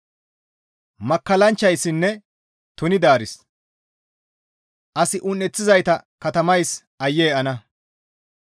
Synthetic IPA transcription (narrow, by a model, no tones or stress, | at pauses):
mɐkːɐlɐnt͡ʃːɐjsːɪnːɛ | t̪ʊnɪd̪aːɾɪs | ʔɐsɪʔʊnːɛt͡sːɪzɐjt̪ɐkɐt̪ɐmɐjs | ʔɐjːeːɐnɐ